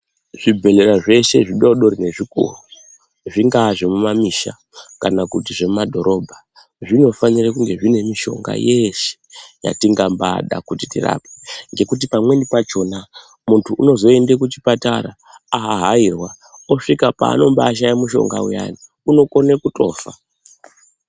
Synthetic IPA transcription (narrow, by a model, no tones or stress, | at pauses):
ʐibʱe̞le̞ɾaʐe̞ʃe̞ʐiɗoɗo̞ɾine̞ʐikṵːru | ʐiŋɡaʐemumamiʃa̰ | kanakutiʐe̞mumadʱo̞ɾʔo̞bʱa | ʐino̞fanirekuŋɡe̞ʐine̞miʃo̞̰ŋɡa̰je̞ʃe̥ja̰tiŋɡamba̰ɗa̰kutitḭra̰ːpeŋɡe̞kut̬ipamwenipat͡ʃo̞na | muntʰuʔːno̞zo̞e̞ndekut͡ʃi̥pataɾa̰ | aɦaɦairwa | oʂikapa̰ːno̞mbaːʃ̬ajamuʃo̞̰ŋɡa̰ṵja̰ni | uno̞ko̞nekutʼo̞̰ːfa̰